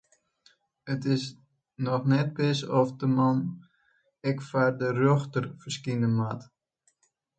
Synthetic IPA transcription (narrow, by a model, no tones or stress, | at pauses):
ətɪs | nɔxnɛt̚bɪsɔfdəman | ɛkfardərøxtərfərskinəmat